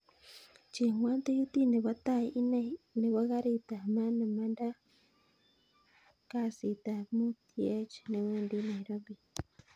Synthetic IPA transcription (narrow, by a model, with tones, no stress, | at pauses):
t͡ʃe˨ŋwaː˦nt̪e˦ji˦t̪i˦ne˨βa˦ta˦˨i˦ne˦ne˨βa˦ɣa˦ɾi˨ta˨ma˦na˨ma˦nda˦ | ka˦si˨t̪a˨mu˦tʰi˦e˦t͡ʃne˨weː˦ndi˦na˨i˨ɾa˦βi˨